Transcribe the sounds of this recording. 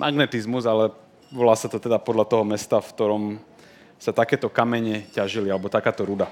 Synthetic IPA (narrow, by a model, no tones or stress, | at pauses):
mʔaɡnɛt̪izmuzalɛ | ʋɔlaːsat̪ɔt̪ɛd̪apɔd̪lʎat̪ɔɦɔmɛst̪afkt̪ɔɾɔm | sat̪akɛːt̪ɔkamɛɲɛcaʒilialɛbɔt̪akaːt̪ɔɾud̪a